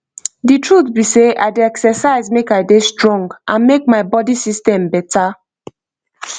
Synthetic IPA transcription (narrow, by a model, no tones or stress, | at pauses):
ditɹut̪biseʔa̰ɪdeɛksəsaɪzmekaɪdestɹɔ̃ŋɡʔãnmek̚maɪbɔdisistɛ̃mbɛtʰa